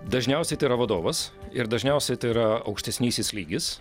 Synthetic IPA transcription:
d̪ɐʒʲnʲɛʊsʲɛɪt̪ɐɪɾɐʋɐd̪oːʋɐsɪɾd̪ɐʒʲnʲɛʊsʲɛɪt̪ɐɪɾɐɐ̰ʊkʃʲt̪ʲɛsʲnʲiːsʲɪslʲiːɡʲɪs

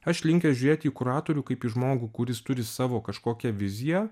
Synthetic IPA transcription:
ɐʃlʲɪŋʲkʲɛʒʲʊɾʲeːt̪ʲiːkʊɾɑːt̪oːɾʲuːkɐɪpiːʒmoːɡukʊɾʲɪst̪ʊɾʲɪsɑːʋoːkɐʃkoːkʲɛʋʲɪzʲɪjɛ

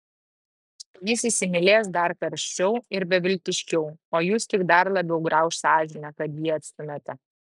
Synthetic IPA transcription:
jɪsisʲɪmʲɪlʲeːs̬d̪ɐɾkɐɾʲʃʲt͡ʃʲɛʊɪɾbʲɛʋʲɪlʲt̪ʲɪʃʲkʲɛʊoːjuːst̪ʲɪɡd̪ɐɾlˠɐbʲɛʊɡɾɐʊʃsɑːʒʲɪnʲɛkɐt̪jiːɐt̪ʲst̪ʊmʲɛt̪ʲɛ

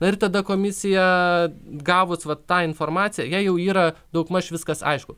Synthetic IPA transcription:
nɐɪrt̪ɐd̪ɐkoːmʲɪsʲɪjɛ | ɡɑːʋʊsʋɐt̪ːɑːɪnfoːrmɑːt͡s̪ʲɪjɛjɛɪjɛʊiːɾɐd̪ɐʊkmɐʃʲʋʲɪskɐsɐ̰ɪʃkʊ

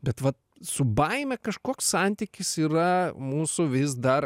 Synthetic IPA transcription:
bʲɛt̪ʋɐt̪ | sʊbɐɪmʲɛkɐʃkoːkssɐnʲt̪ʲikʲɪsiːɾɐmuːsʊʋʲɪsd̪ɐr

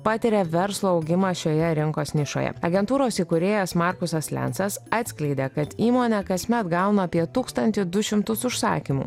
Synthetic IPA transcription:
pɑːt̪ʲɪɾʲɛʋʲɛɾslˠoːɐʊɡʲɪmɑʃʲoːjɛɾʲɪŋkoːsnʲɪʃo̰jɛ̰ɐɡʲɛnt̪uːɾoːsiːkʊɾʲeːjɛsmɑˑɾkʊsɐslʲɛ̰nsɐsɑːt̪sʲkʲlʲɛɪd̪ʲeːkɐt̪iːmoːnʲɛkɐsʲmʲɛt̪ɡɐʊnoɐpʲiɛt̪uːkst̪ɐnʲt̪ʲɪd̪ʊʃʲɪmt̪ʊsʊʃsɑ̰ːkʲimṵː

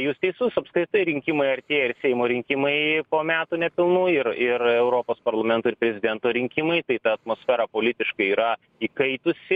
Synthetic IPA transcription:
juːst̪ʲɛɪsʊsɐpskɾʲɪt̪ɐɪɾʲɪŋʲkʲɪmɐɪɐɾʲt̪ʲeːɪɾsʲɛɪmoːɾʲɪŋʲkʲɪmɐɪpoːmʲæːt̪uːnʲɛpʲɪlˠnuːɪɾɪrɛʊɾoːpoːspɐɾlˠɐmʲɛnt̪oːɪɾpʲɾʲɛzʲɪd̪ʲɛnt̪oːɾʲɪŋʲkʲɪmɐɪt̪ɐɪt̪ɐɐt̪moːsʲfʲɛːɾɐpoːlʲɪt̪ʲɪʃkɐɪiːɾɐ | iːkɐɪt̪ʊsʲɪ

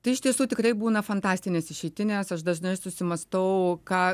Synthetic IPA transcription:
t̪ɐɪɪʃt̪ʲiɛsuːt̪ʲɪkɾɐɪbuːnɐfɐnt̪ɑːsʲt̪ʲɪnʲeːsɪʃʲɛɪt̪ʲɪnʲeːsɐʃd̪ɐʒnɐɪsʊsʲɪmɐst̪ɐʊkɑː

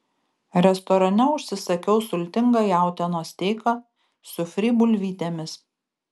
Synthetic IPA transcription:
ɾʲɛst̪ɔɾɐnʲɛʊʃʲsʲɪsɐkʲɛʊsʊlʲt̪ʲɪŋɡɑjæˑʊt̪ʲɛnoːsʲt̪ʲeːɪkɐ | sʊfʲɾʲiːbʊlʲʋʲiːt̪ʲemʲɪs

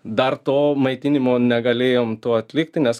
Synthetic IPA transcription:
d̪ɐrt̪oːmɐɪt̪ʲinʲɪmoːnʲɛɡɐlʲeːjomt̪oːɐt̪ʲlʲɪk̚t̪ʲɪnʲɛs

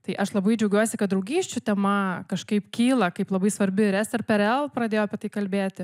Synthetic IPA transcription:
t̪ɐɪʔɐʃlˠɐbɐɪd͡ʒʲɛɐʊɡʲuɔsʲɪkɐt̪̚d̪ɾɐʊɡʲiːʃʲt͡ʃʲʊt̪ʲɛmɐkɐʃkɐɪpkʲiːlˠɐkɐɪplˠɐbɐɪsʋɐɾʲbʲɪɪɾɛsɛɾpʲɛɾɛlˠpɾɐd̪ʲeːjoːɐpʲɛt̪ɐɪkɐlʲbʲeːt̪ʲɪ

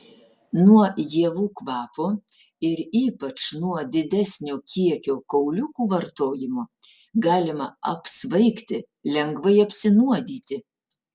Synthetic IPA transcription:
nuɔjiɛʋuːkʋɑːpoː | ɪɾiːpɐt͡ʃnuɔd̪ʲɪd̪ʲæsʲnʲoːkʲiɛkʲoːkɐʊlʲʊkuːʋɐɾt̪oːjɪmoːɡɑːlʲɪmɐɐpsʋɐɪkt̪ʲɪ | lʲɛŋɡʋɐɪɐpʲsʲɪnuɔd̪ʲiːt̪ʲɪ

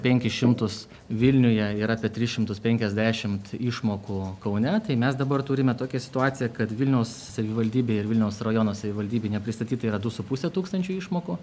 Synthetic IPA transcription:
pʲɛŋʲkʲɪʃʲɪmt̪ʊs | ʋʲɪlʲnʲʊjɛɪɾɑːpʲiɛt̪ʲɾʲɪsʃʲɪmt̪ʊspʲɛŋʲkʲɛzʲd̪ʲæːʃʲɪmt̪iʃmoːkʊkɐʊnʲɛt̪ɐɪmʲɛsd̪ɐbɐrt̪ʊɾʲɪmʲɛt̪oːkʲɛsʲɪ̥t̪ʊɑːtt͡s̪ʲɪjɛkɐt̪ʋʲɪlʲnʲɛʊsːɐʋʲɪʋɐlʲd̪ʲiːbʲeːɪɾʋʲɪlʲnʲɛʊsrɐjoːnoːsɐʋʲɪʋɐlʲd̪ʲiːbʲeɪnʲɛpʲɾʲɪst̪ɐtʲiːt̪ɐiːɾɐd̪ʊsʊpʊsʲɛt̪uːkst̪ɐnʲt͡ʃʲʊiːʃmoːkʊ

